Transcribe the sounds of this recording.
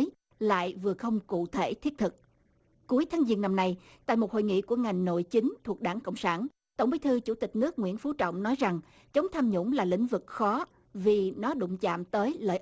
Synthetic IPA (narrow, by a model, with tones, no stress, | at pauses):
j | la̰ː˧˨jvɨ˨˩əxə˧wŋ͡mkṵ˧˨t̪ʰe˧˩t̪ʰi˦˥ət̪ʰɨ˨˩k̚ | ku˨˦əjt̪ʰaː˨˦ŋzi˧ənːa˧mna˧j | t̪a̰ː˧˨jmo˨˩ho̰˧˨jŋḭ˧˨ku˧˩əŋa˨˩jŋ̟no̰˧˨jt͡ɕi˨˦ŋ̟t̪ʰu˨˩ək̚ɗaː˧˩nkə̰˧˨wŋ͡msaː˧˩n | t̪ə̰˧˩wŋ͡mɓi˨˦jt̪ʰɨ˧t͡ɕu˧˩t̪ï˨˩k̟̚nɨ˦˥ək̚ŋwḭ˧˥ənfu˨˦t͡ɕɔ̰˧˨wŋ͡mnɔ˨˦jza˨˩ŋ | t͡ɕə˨˦wŋ͡mt̪ʰaː˧mɲʊ̰˧˥ŋ͡mlaː˨˩lḭ̈˧˥ŋ̟vɨ˨˩k̚xɔ˨˦ | vi˨˩nɔ˨˦ɗʊ̰˧˨ŋ͡mt͡ɕa̰ː˧˨mt̪əː˨˦jlə̰ː˧˨j